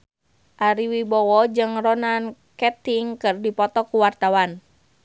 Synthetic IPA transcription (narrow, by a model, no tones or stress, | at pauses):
ʔaɾiwibɔwɔd͡ʒɨŋrɔnan | kɛt̪iŋkɨrdipɔt̪ɔkuwart̪awan